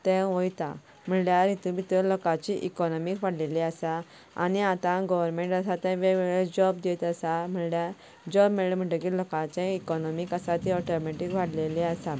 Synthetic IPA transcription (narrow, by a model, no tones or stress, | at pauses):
t̪ɛ̃ʋɔjt̪ã̰ | m̤əɳljaɾit̪umit̪əlɔkãt͡ɕiʔikɔnɔmikʋaɽ̤leliasa | a̰niat̪ãɡɔʋəɾmẽɳʈəsat̪ɛ̃ʋeʋɛɭed͡ʑɔbd̪et̪əsam̤əɭlja | d͡ʑɔbmeɭem̤əɳʈəkiːlɔkãt͡ɕẽikɔnɔmikasat̪iɔʈɔmeʈikʋaɽleliasa